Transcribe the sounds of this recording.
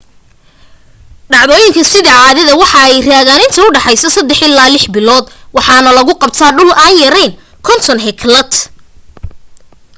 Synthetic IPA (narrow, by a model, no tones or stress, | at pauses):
ɖɑʕðɔːjɪŋkʰɐsɪðɐʕɑːðɐðɐwɑħɑɛjraːɣaːnɪnt̪ʰɐʊɖɑħɑjsɐsɐd̪ɛħɪlːaːlɪħbɪlɔːd̪wɑħɑːnɐlɐɣʊqɑb̚t̪ʰaːɖʊlʔaːnjɐɾɛjn | kʰɔnt̪ʰɔnɦɛkʰlɐt̪